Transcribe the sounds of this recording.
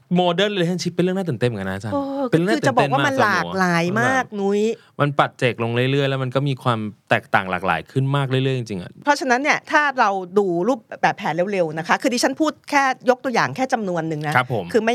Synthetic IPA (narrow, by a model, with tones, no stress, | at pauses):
moː˧dəː˥˩nlːha˥˩t͡ɕʰi˦˥t̪̚pnɾɯ˥˩ŋnaː˥˩˨ne˥˩m˩˦ka˧na˦˥t͡ɕʰaː˥˧e˧nː˥˨˧kɯː˧a˨˩˨bɔ˨e˥˩n˨wamaː˥ma˥˧nlaː˧˨˩laː˩˦jmaː˥˩k̚nu˦˥j | ma˧npa˨˩t̪̚t͡ɕeː˨˩k̚lo˧ŋɾɯ˥˩jɾɯ˥˩əjlɛ˦˥ma˧nkɔː˥˩miː˧kʰwaː˧mt̪ɛː˨˩k̚t̪aː˨˩ŋla̰ː˨˩k̚la̰ː˩˦jkʰɯ˥˩nmaː˥˩k̚ɾɯ˥˩jlɯ˥˩əjt͡ɕi˧ŋt͡ɕi˧ŋʔa̰˧˩pʰɾɔ˦˥t͡ɕʰa˧na˦˥nːi˥˩ɐt̪ʰaː˥˩ɾa˧wduː˧ɾuː˥˩p̚ːbɛː˨˩p̚ʰːɛː˩˦nɾe˨˦˥wɾe˧wna˦˥kʰa˦˥kʰɯː˧t̪ʰiː˧t͡ɕʰa˦˥npʰuː˥˩t̪̚kʰɛː˥˩jo˦˥k̚t̪u˧jaː˨˩ŋkʰɛː˥˩t͡ɕa˧mnu˧ənːɯ˨˩ŋna˦˥ɾa˦˥pʰːo˩˦mkʰɯː˧ma˥˩j